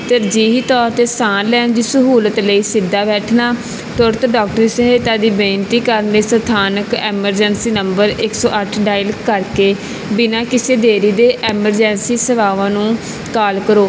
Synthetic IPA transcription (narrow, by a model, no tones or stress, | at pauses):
t̪əɾd͡ʒiːɦiːt̪ɔːɾt̪eːsãːnlɛːnd͡ʒɪːsəɦuːlət̪ləiːsɪd̪ːaːbɛːʈʰnaː | t̪ʊɾt̪ɖɔːk̚ʈəɾisəɦeːt̪aːd̪iːbẽːnʈ̪iːkəɾənleːsət̪ʰaːnəkɛːməɾd͡ʒəːnsiːnəmbəɾɪksɔːʔəʈʰɖaːɪlkəɾkeː | bɪnãːkɪseːd̪eːɾiːd̪eːʔɛːməɾd͡ʒɛːnsiːsəʋaːʋãːnũː | kaːlkəɾoː